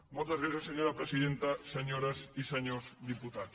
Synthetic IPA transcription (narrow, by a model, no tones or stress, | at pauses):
molt̪ɐzβeθeseɲoɾapɾesiðent̪aseɲoɾasisaɲosd̪iput̪a